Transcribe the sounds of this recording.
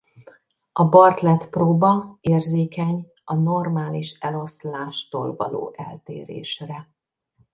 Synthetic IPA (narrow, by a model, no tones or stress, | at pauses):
ɒbɒrt̪lɛt̪proːbɒeːrzeːkɛɲ | ɒno̞rmaːliʃɛlo̞slaːʃt̪o̰ːlvɒ̰lo̰ːʔɛ̰lt̪eːɾḛːʃrɛ